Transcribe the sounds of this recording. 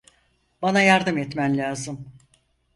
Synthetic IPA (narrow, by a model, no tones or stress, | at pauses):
banajaɾd̪ɯmɛt̪mænlʲaːzɯm